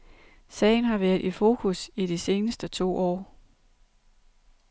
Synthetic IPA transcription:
sɛ̰ɪnɦɑ̈ʋæɐðˠʔifo̝ːkʰusiɾ̥ise̝ːnəsd̥ət͡sʰo̝̰ːʔɒ̰ː

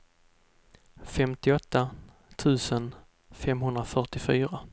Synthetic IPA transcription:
fɛmt̪ɪɔt̪ʰːa | t̪ʰʉ̟ːsən | fɛmɦɵnd̪ɾafœʈɪfyːɾa

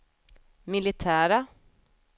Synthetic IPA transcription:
mɪlɪt̪ʰæːɾa

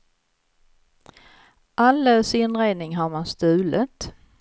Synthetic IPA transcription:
ʔalːəsɪnɾeːd̪nɪŋɦaɾmanst̪ʉ̟ːlət̪

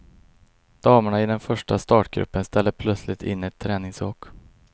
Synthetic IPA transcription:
d̪̥ɑːmaɳaɪd̪ɛnfœʂʈast̪ɑːʈɡ̥ɾɵ̰pːənst̪ɛlːəpʰlœt̪slɪt̪ʰɪ̰nːɛt̪ʰːɾɛːnɪŋsoːk

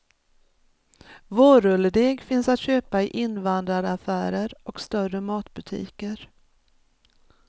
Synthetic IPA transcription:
voːɾɵlːəɖ̪eːɡfɪnsat̪ɕøːpaɪʔɪnvand̪ɾaɾafæːɾəɾɔkst̪œrəmɑːt̪bɵt̪ʰḭːkəɾ

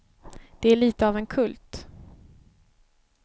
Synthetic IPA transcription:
d̪̥ɛæɭiːt̪əɑvɛnkʰɵlt̪

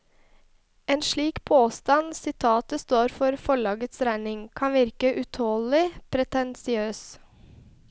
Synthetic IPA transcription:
eːnʃɭiːkpʰoːst̪ɑnsɪt̪ʰɑːt̪əst̪oːɾfɔɾfɔɭɑːɡət̪sɾæɪnɪŋkʰɑnʋɪɾkəʔʉt̪ʰoːlɪpʰɾɛt̪ɛnsɪøːs

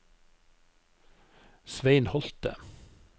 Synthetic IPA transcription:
sʋeɪnhɔlt̪ə̰

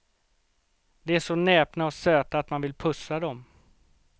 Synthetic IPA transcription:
d̪ɛæʂɔnɛːpnaɔsøːt̪aːt̪manvɪlpʰɵsad̪ɔm

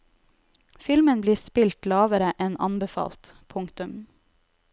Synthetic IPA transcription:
fɪlmənbliːspɪlt̪lɑːʋəɾəʔɛnɑ̰nbəfɑ̰ːlt̪ | pʰʊŋkt̪ʉm

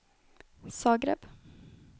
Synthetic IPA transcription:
sɑːɡɾɛ̰ːp

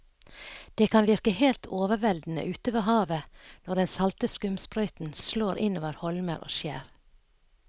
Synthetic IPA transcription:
d̪̥eːkʰɑnʋɪɾkəheːlt̪ʰoːʋəɾʋɛld̪n̩ə̰ʔʉːt̪əʋeːhɑːʋənɔɖɛnsɑlt̪əskʉmspɾœʏt̪n̩sloːɾʔɪnoːʋəɾhɔlmə̰ɾʔo̰ːʃjæ̰ːɾ

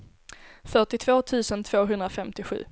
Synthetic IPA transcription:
fœʈɪt̪ʰvoːt̪ʰʉ̟ːsənt̪ʰv̥oːɦɵnd̪ɾafɛmt̪ɪɧʉ̟̰ː

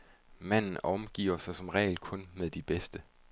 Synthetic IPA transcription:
mæn̰n̩ʔɒ̽mɡ̥ḭːɐsɑ̈ɪsɒ̽mʁɛ̰ːɪlkʰɔ̽nmeðˠd̥ib̥esd̥ə

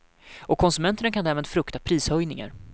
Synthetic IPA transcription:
ɔkʰːɔnsɵmɛnt̪əɳakʰand̪æːɾmeːd̪fɾɵkt̪apʰɾiːshœjnɪŋa̰ɾ

